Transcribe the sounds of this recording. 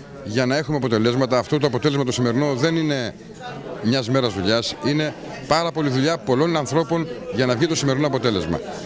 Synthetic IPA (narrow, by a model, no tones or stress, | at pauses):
ʝɐnɐe̞xumeɐpo̞t̪e̞le̞zmɐt̪ɐːft̪ot̪oɐpo̞t̪e̞le̞zmɐt̪o̞sime̞ɾino̞ðe̞nine̞ | mɲɐzme̞ɾɐzðuʎɐsine̞ | pɐɾɐpo̞liðuʎɐpo̞lo̞nɐnθɾo̞po̞nʝɐnɐvʝit̪o̞simeɾinoɐpo̞t̪e̞le̞zmɐ̰